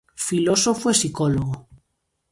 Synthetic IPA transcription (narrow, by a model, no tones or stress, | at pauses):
filosofoesikoloɣo